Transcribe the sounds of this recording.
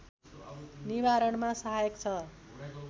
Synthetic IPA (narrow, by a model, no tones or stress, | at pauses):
nibaɾʌɳmasʌɦajʌkt͡sʰʌ